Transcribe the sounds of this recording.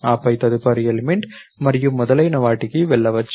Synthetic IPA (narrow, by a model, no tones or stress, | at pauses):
aːpːɐɪt̪ɐðɯpːɐɾɪjɐlmɪɳɖmɐɾɪjɯmːʊðɐlɐɪnɐʋaːʈːɪkːiʋɛɭːɐʋɐt͡ʃː